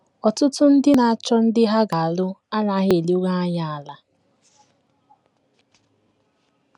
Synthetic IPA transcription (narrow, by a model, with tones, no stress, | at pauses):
ɔ˨tʊ˦tʊ˦n̩˦dɪ˦na˨a˦˨t͡ʃɔ˦n̩˦dɪ˦ɦa˦ɡa˨a˨lʊ˦a˦na˨˦ɦe˨li˦o˦ɡa˦a˦ɲa˦a˨la˨